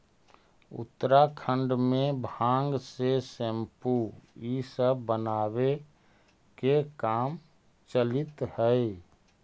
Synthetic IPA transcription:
ṵt̪ːɾakʰə̃ɳɖmẽbʱãŋɡsesempuisəbːənabe | kekaːm | t͡ʃəlɪt̪həj

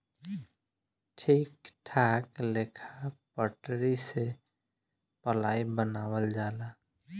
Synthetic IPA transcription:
ʈʰiːkʈʰaːkleːkʰapəʈɾise | pəlaːibənaːwəld͡ʒaːla

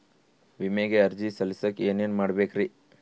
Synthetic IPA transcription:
ʋimeɡeɐɾd͡ʒisɐlisɐkeːneːnmaːɽbeːkɾi

